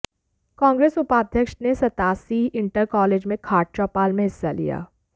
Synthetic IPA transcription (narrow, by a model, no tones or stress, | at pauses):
kãːŋɡɾeːsʊpaːd̪ʱjəkʃnesɐt̪aːsiɪ̃ɳʈəɾkɔːleːd͡ʒmẽkʰaːʈ̚t͡ʃɔːpaːlmẽɦɪsːalḭja̰ː